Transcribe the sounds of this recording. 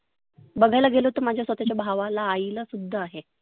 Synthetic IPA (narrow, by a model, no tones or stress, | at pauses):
bəɡʱajlaɡʱeloɦot̪əɾmad͡ʑʱjasʋət̪at͡ɕjabʱaʋalaːiləsud̪ʱːəaɦe